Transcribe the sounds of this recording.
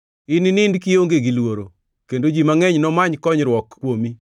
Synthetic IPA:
ɪnɪnɪndkijoŋɡeɡilwoɾo | kendod͡ʒimaŋɛɲnɔmaɲkɔɲɾwɔkːwomi

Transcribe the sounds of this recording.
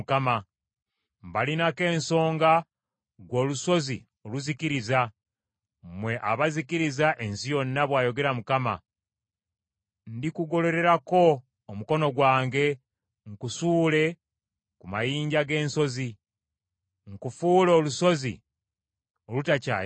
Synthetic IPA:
kama | mbalinake̞ːnso̞ːŋɡa | ɡwo̞ːluso̞zḭ | oluziciɾiza | mwe̞ʔa̰βazikiɾizaʔe̞nsijo̞nːaβwaːjo̞ɡe̞ɾamukama̰ | ndikuɡo̞le̞ɾe̞ɾako̞ː | muko̞no̞ɡwaːŋɡe̞ | ŋkusuːle̞ | kumajiːɲɟaɡe̞ːnso̞zi | ŋkufuːlo̞ːluso̞zḭ | olutaca̰

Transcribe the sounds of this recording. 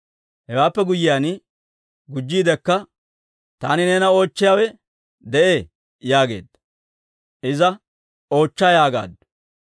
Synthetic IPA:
hɛwaːpːɛɡʊjːɪjaːn | ɡʊd͡ʒːiːd̪ɛkːɐ | t̪aːnɪne̞ːnɐo̞ːt͡ʃːɪjaːwɛ | d̪ɛʔeː | jaːɡe̞̰ːd̪ɐ | ʔɪzɐ | o̞ːt͡ʃːɐjaːɡa̰ːd̪

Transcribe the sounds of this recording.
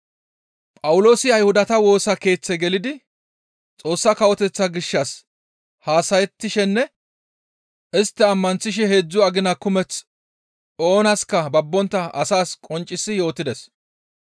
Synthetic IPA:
pʼɐwʊlo̞ːsɪɐjhʊd̪ɐt̪ɐwo̞ːsɐke̞ːt͡sːɛɡɛlɪd̪ɪ | t͡sʼo̞ːsːɐkɐwɔt̪ɛt͡sːɐɡɪʃːɐs | haːsɐjɛt̪ːɪʃɛnːɛ | ɪst̪ːɛɐmːɐnt͡sːɪʃ̬ɛhe̞ːd͡zːʊɐɡɪnɐkʊmɛt͡s | o̞ːnɐskɐbɐbːɔnt̪ːɐʔɐsaːskʼɔnt͡ʃʼːɪsːɪjo̞ːt̪ːɪd̪ɛs

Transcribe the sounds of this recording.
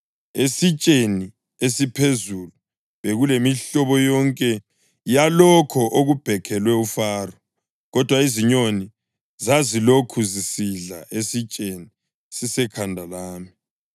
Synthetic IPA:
esit͡ʃʼeni | esipʰezulu | βeɣulemiɬɔβɔjɔŋkʼɛ | jalɔkʰɔʔoɣub̥ʱɛkʰɛlwɛufaːrɔ | ɣɔd̥ʱwaiziɲoni | zazilokʰuzisiɮa̰ʔesit͡ʃʼeni | sisɛkʰandʱalaːmi

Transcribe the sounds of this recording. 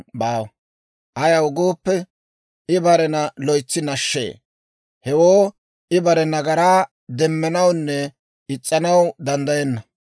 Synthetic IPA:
baːw | ʔɐjɐwʊɡoːpːɛ | ɪbɐɾɛnɐlɔjt͡sːɪnɐʃːḛː | hɛwoː | ʔɪbɐɾɛnɐɡɐɾaː | d̪ɛmːɛnɐwnːɛ | ɪt͡sʼːɐnɐwd̪ɐnd̪ɐjɛnːɐ

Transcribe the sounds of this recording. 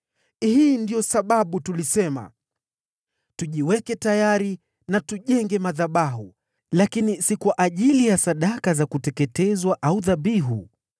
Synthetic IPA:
hiːndijɔsaɓaɓutulisɛma̰ | tuʄiwɛkɛtajaɾi | natuʄɛŋɡɛmaðaɓaɦu | lakinisikwaʔaʄilijasaɗakazakutɛkɛtɛzwaʔauðaɓiɦṵ

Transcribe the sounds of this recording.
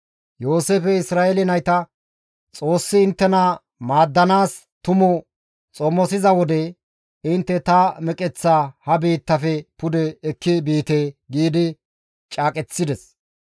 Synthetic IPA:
jo̞ːseːfɛɪsɾaːʔelɪnɐjt̪ɐ | t͡sʼo̞ːsːɪːnt̪ːɛnɐ | maːd̪ːɐnaːs | t̪ʊmʊ | t͡sʼɔmːɔsɪzɐwɔd̪ɛ | ɪnt̪ːɛt̪ɐmɛkʼɛt͡sːaːhɐbiːt̪ːɐfɛpʊd̪ɛːkːɪbiːt̪eːɡiːd̪ɪ | t͡ʃʼaːkʼɛt͡sːɪd̪ɛs

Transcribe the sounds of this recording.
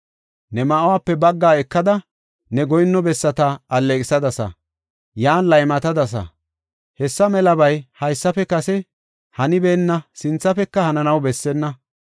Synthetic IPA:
nɛmaʔwaːpːɛbɐɡːaːɛkːɐd̪ɐ | nɛɡɔjnːɔbɛsːɐt̪ɐɐlːekʼɪsɐd̪ɐsɐ̰ | jaːnlɐjmɐt̪ɐd̪ɐs̬ɐ̰ | hɛsːɐmɛlɐbɐjhɐjsːɐfɛkɐsɛ | hɐnɪbeːnːɐsɪnt͡sːɐfɛkːɐhɐnɐnɐwbɛsːɛnːɐ

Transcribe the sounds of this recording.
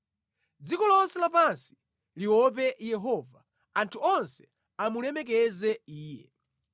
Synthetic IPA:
d͡zikɔlɔnsɛlapansi̥ | liwɔp̬ɛjɛɦɔːva | antʰuɔnsɛ̥ | amulɛmɛk̬ɛzɛiːjɛ

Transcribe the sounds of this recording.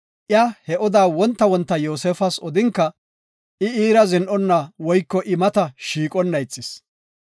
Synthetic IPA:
ʔjahɛʔɔd̪aːwɔnt̪ːɐwɔnt̪ːɐjoːsefɐsɔd̪ɪŋkːɐ | ʔɪiːɾɐzɪnʔɔnːɐwɔjkːɔʔɪmɐt̪ɐʃiːkʼɔnːɐjɪt͡sʼːɪs

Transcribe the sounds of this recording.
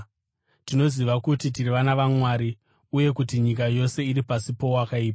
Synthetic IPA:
tino̞ziʋakutitiriʋanaʋamwaːɾi | uje̞kutiɲik̬ajo̞se̞iɾipasipo̞wakaiːpa

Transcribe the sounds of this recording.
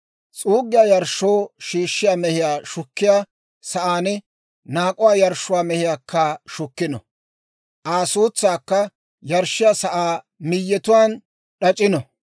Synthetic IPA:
t͡sʼuːɡːɪjaːjɐɾʃːoːʃiːʃːɪjaːmɛhɪjaːʃʊkːɪjaː | sɐʔaːnɛ | naːkʼʊwaːjɐɾʃʊwaːmɛhɪjaːkːɐʃʊkːɪnɔ̰ | ʔaːsuːt͡sːaːkːɐ | jɐɾʃːɪjaːsɐʔaː | mɪjːɛt̪ʊwaːn | ɗɐt͡ʃʼːɪnɔ

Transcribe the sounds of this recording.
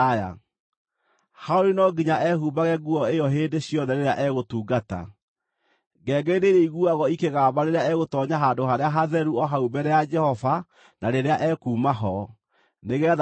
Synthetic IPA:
ja̰ | haoɾinɔɡiɲaʔɛɦubaɣɛɡuɔejɔɦeːndeɕjɔðɛɾeɾeaʔɛɣotuːɡata̰ | ɡɛːɡɛiɾeɾeiɣuaɣɔikeɣaːbaɾeɾeaɛɣotɔɲaɦaːndoɦaɾeaɦaðɛɾuɔɦaubɛɾɛjad͡ʒɛhɔva | naɾeɾeaʔɛːkuːmaɦɔ | neɣɛːð

